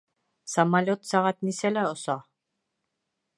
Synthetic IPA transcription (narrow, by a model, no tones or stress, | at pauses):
samalʲot̪saʁɑt̪niselæosa